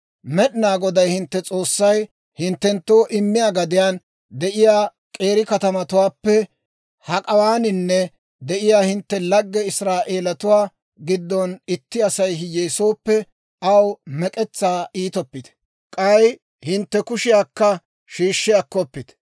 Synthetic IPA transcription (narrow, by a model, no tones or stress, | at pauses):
mɛɗɪnaːɡɔd̪ɐjhɪnt̪ːɛt͡sʼo̞ːsːɐj | hɪnt̪ːɛnt̪ːo̞ːʔɪmːɪjaɡɐd̪ɪjaːn | d̪ɛʔɪjaː | kʼe̞ːɾɪkɐt̪ɐmɐt̪ʊwaːpːɛ | hɐkʼɐwaːnɪnːɛ | d̪ɛʔɪjaːhɪnt̪ːɛlɐɡːɛɪsɾaːʔe̞ːlɐt̪ʊwaː | ɡɪd̪ːɔnɪt̪ːɪɐsɐjɦɪjeːsoːpːɛ | ɐwmɛkʼɛt͡sːaːiːt̪ɔpːɪt̪ɛ̥ | kʼɐj | hɪnt̪ːɛkʊʃɪjaːkːɐ | ʃiːʃːɪjakːɔpːɪd̪̥